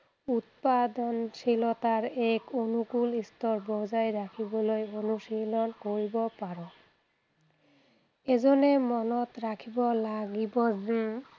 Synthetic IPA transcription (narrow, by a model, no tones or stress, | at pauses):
ut̪̚pad̪ɔnʃilɔt̪aɾɛkonukulist̪ɔɾbɔd͡ʑajɾakʰibolojonuʃilonkoɾibopaɾo | ed͡ʑonːemɔnɔt̪ɾakʰibɔlaɡibɔ